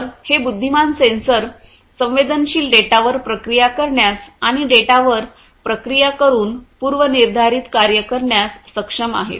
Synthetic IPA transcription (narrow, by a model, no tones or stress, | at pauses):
ɾhebud̪ʱːimansensəɾ | sə̃ʋed̪ənɕiːlɖeʈaʋəɾpɾəkɾijakəɾɳjasaɽ̃iɖeʈaʋəɾ | pɾəkɾijakəɾuːnpuɾʋəniɾd̪ʱaɾiːt̪kaɾjəkəɾɳjasːəkʂəma̰ɦḛt̪